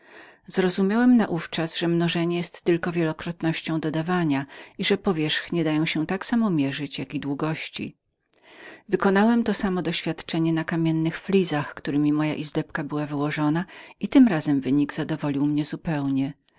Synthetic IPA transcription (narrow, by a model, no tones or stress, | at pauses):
zɾɔzumʲjawɛmnaʔuft͡ʂasʐɛmnɔʐɛɲɛjɛst̪ːɘlkɔvʲjɛlɔkɾɔt̪nɔɕt͡ɕɔ̃w̃d̪ɔd̪avaɲaiʐɛpɔvʲjɛʂxɲɛd̪ajɔ̃w̃ɕɛ̃t̪aksamɔmʲjɛʐɘt͡ɕjakʲid̪wuɡɔɕt͡ɕḭ | vɘkɔnawɛmt̪ɔsamɔd̪ɔɕfʲjat̪t͡ʂɛɲɛnakamʲjɛnːɘxflʲizaxkt̪uɾɘmʲimɔja̰ʔizd̪ɛpkabɘwavɘwɔʐɔnait̪ɘmɾazɛmvɘɲiɡzad̪ɔvɔlʲiwmɲɛzupɛwɲɛ